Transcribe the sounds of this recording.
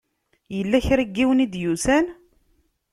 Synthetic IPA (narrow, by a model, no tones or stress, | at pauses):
jəlːæçɾiɡːiwnid̪jusæn